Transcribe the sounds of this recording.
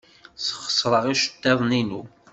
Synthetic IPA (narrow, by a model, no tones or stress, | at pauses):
səχə̥sˤːɾˤəʁiʃə̥t̪ːæðˤninṵ